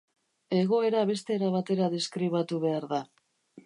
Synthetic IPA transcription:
e̞ɣ̞o̞e̞ɾaβe̞st̪e̞ːɾaβat̪e̞ɾaðeskɾiβ̞at̪uβ̞e̞aɾða

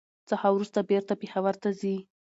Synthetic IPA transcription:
t͡sahawɾust̪abeɾt̪apexawaɾt̪azi

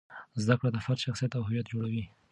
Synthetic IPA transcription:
zd̪akɽot̪afaɾt̪ʃaxsijat̪awɦʊwijat̪̚d͡ʒoɽawi

